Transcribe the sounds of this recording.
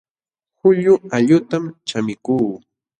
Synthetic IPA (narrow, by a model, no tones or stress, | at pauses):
xʊʎʊaʎʊt̪amt͡ʃamɪkuː